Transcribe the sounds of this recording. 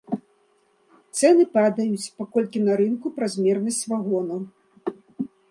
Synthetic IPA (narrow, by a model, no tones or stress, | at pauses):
t̪sɛnɨpad̪ɐjut͡sʲpakɔlʲkʲinɐɾɨnkupɾazʲmʲɛrnɐsʲt͡sʲvaɣɔnɐw